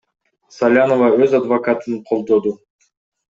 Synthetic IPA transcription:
salʲanovɑøzad̪vokat̪ɯnqʰo̞lˠd̪o̞d̪u

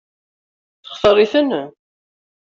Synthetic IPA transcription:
θə̥χθəɾˤiθən

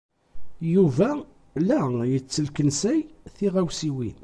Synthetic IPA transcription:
juvæ | læjət͡sːəlkənsæjθiʁæwsiwin

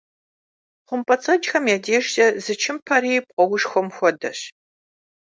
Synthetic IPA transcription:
χʷʊmpʼɐt͡sʼɐd͡ʒxɐmjɛdeːʒtɐzɨt͡ʃʰɪmpʰɐɾiːp̚ʼqʷʼɔwʊʂxʷɔmxʷɔdɐ̰ɕ

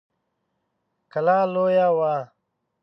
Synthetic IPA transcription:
kɐlaːloːjaːwaː

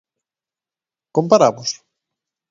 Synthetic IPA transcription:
kompaɾaβʊs

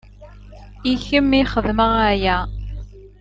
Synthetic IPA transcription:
içəmːiχəðməʁæjæ

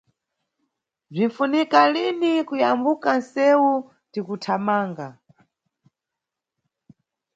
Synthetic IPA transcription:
b͡ʐin̩funikalinikujambukansɛwu | tikutʰamaːŋɡa

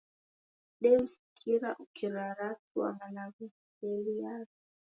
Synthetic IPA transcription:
ɗɛusi̥kʰiɾaʔukiɾaɾatua̰ŋanavu | ɛlijazi

